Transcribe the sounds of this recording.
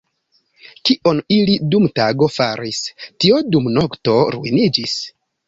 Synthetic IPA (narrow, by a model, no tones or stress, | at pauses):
kiʔo̞nilidumtaɡo̞faɾistio̞dumno̞kto̞ɾṵḭnid͡ʒis